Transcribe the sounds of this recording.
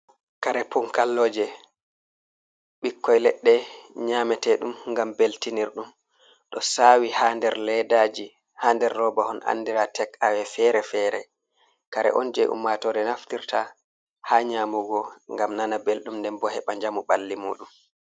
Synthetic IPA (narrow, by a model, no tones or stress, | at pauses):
kaɾɛpʰɔŋkalːɔːd͡ʒɛ | ɓikːɔjlɛɗːɛɲamɛtɛɗumŋɡambeltiniɾɗum | ɗɔsawihandɛɾlɛdad͡ʒi | haːndɛɾːɔbahɔnʔa̰nːdiɾatɛkawɛfɛɾɛfɛɾɛ | kaɾɛ̰ʔɔ̰nd͡ʒɛʔṵmːatɔɾɛnaftiɾtʰa | haɲamuɡɔŋɡamnanabelɗumndɛnbɔhɛɓaɲd͡ʒamuɓalːimṵːɗum